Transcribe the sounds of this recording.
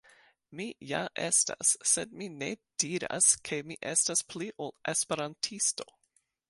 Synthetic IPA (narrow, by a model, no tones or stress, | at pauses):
mija̰ʔestasːedmined̥iɾa̰skʰe̞miʔestaspʰliʔolʔespeɾantʰisto